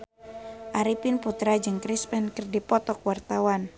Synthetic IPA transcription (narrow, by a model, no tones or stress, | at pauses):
ʔaɾipinput̪ɾad͡ʒɨŋkɾispɛnkɨrdipɔt̪ɔkwart̪awan